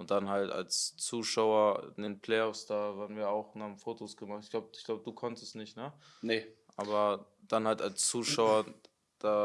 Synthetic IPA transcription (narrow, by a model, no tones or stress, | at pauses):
ʔʊnt̚d̥anhalta̰lst͡suːʃaʊɐɪ̰ndeːnpʰl̥ɛɪɔfsd̥aːvaːɐʁnviːɐaʊxnhaːbm̩foːtʰosɡ̥əmaχtɪçɡ̥laʊbəɪçɡ̥laʊbəduːkʰɔntəstnɪçtnə | nəʔaːbɐd̥anhaltalst͡suːʃaʊɐ | d̥aː